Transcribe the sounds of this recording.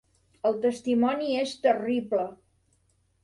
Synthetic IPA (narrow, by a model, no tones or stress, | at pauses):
əlˠt̪əst̪imɔniest̪əriblə